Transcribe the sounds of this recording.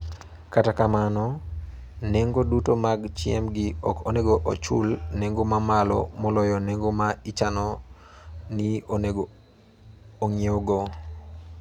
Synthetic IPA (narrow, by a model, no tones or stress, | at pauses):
katakamanɔ | neŋɡodutomaɡt͡ʃɪɛmɡiɔkoneɡoʔot͡ʃṵlneŋɡomamalɔ̰mɔlɔjɔneŋɡomait͡ʃanɔ | nion | ŋioɡɔ